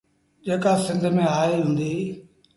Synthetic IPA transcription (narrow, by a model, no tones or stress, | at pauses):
ʄeːkasɪ̃nd̪ʱmẽaːiɦũːn̆d̪iː